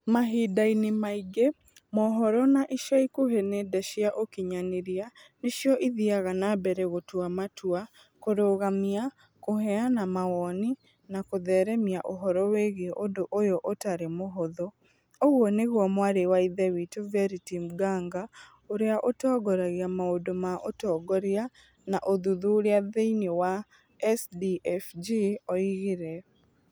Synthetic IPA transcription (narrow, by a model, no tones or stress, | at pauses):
maɦidainimaiɡe | mɔɦɔɾɔnaʔiʃaikoɦenedɛʃiaʔokiɲaneɾianeʃjɔʔiðiaɣanabɛɾɛɣotwamatwa | koɾoɣamia | koɦɛanamawɔni | nakoðɛɾɛmiaʔoɦɔɾɔweɣeʔodoʔojɔʔotaɾemoɦoðɔ | oɣwɔneɣwɔmwaɾewaiðɛwitovɛɾitim̩ɡaŋɡa | oɾeaʔotɔːɡɔɾaɣeamaodomaʔotɔːɡɔɾia | naʔoðuðuoɾeaðeinewa | ɛsdiɛfd͡ʒiɔiɣeɾɛ